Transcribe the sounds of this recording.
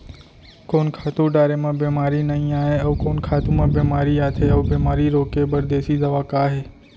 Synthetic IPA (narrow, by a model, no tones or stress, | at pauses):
koːnkʰaːt̪ũɖaːɾeːmãːbeːmaːɾiːnəĩːaːɦeəʋkoːnkʰaːt̪ũːmãːbeːmaːɾiːaːt̪ʰeəʋbeːmaːɾiːɾoːkeːbəɾd̪eːsiːd̪əʋaːkaːɦeː